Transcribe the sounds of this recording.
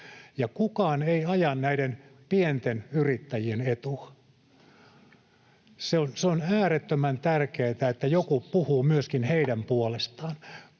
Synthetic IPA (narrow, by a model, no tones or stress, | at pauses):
jɑkukɑːneiɑjɑnnæidenpient̪enyrit̪ːæjienet̪uɑ | seonseonæːret̪ːømænt̪ærkeːt̪æet̪ːæjokupuhuːmyøskinheidæmpuolest̪ɑːn